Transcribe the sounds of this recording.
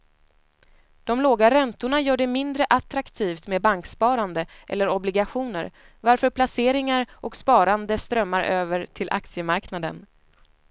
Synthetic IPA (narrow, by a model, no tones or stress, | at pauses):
d̪̥ɔmloːɡaɾɛnt̪ʊɳajœːɖɛmɪnd̪ɾəʔat̪ɾakt̪ʰiːft̪meːd̪baŋkspɑːɾand̪əʔɛ̰lːəɾɔblɪɡaɧuːnə̰ɾ | vaɾfœɾpʰlaseːɾɪŋaɾʔɔkspɑːɾand̪əst̪ɾœmːaɾʔøːvəɾʈʰɪlʔa̰k̚t̪sɪəmaɾknad̪ə̰n